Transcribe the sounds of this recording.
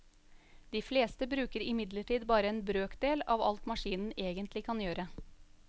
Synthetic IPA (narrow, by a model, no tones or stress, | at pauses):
d̪̥iːfleːst̪əbɾʉːkəɾɪmɪd̪ləʈiːd̪bɑːɾəeːnbɾøːkd̪eːlɑːʋɑ̰lt̪mɑʂiːnn̩eːɡənt̪lɪkʰɑnjøːɾə